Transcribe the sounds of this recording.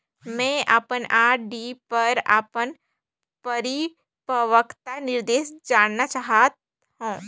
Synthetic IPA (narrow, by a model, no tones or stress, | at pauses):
mɛ̃ːʔa̰ːpənaːɖipɐɾa̰ːpən | pəɾi | pəʋəkʰt̪anɪɾd̪eːʃd͡ʒaːnnat͡ʃaːɦat̪̚ | ɦũː